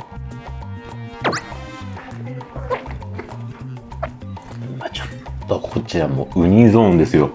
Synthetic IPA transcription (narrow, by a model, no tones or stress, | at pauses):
mat͡ɕo̥t̪ːokʰot͡ɕiamo̰ːɯ̟ɲ̟izõ̞ːnd̪e̞sɨjo̞